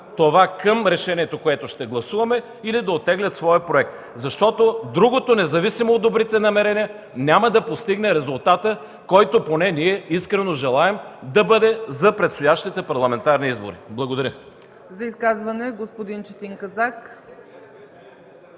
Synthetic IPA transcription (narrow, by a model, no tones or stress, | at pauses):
t̪ovakəmɾɛʃɛniɛt̪okoɛt̪oʃt̪ɛɡlˠɐsuvɐmɛ | ilid̪ɐot̪ːɛɡlʲɐt̪svɔjəpɾoɛk̚t̪ | zɐʃt̪ɔt̪od̪ɾuɡot̪onɛzɐvisimoːd̪ːobɾit̪ɛnɐmɛɾɛnʲijə | nʲamɐd̪ɐpost̪iɡnɛɾɛzʊlˠt̪at̪ə | kɔjt̪oponɛniɛiskɾɛnoʒɛlˠaɛmd̪ɐbɤd̪ɛzɐpɾɛt̪st̪ojaʃt̪it̪ɛpɐɾlˠɐmɛnt̪aɾniizbo̰ɾḭblˠɐɡod̪ɐɾʲjə | zɐiskazvɐnɛɡospod̪int͡ʃət̪iŋkɐzak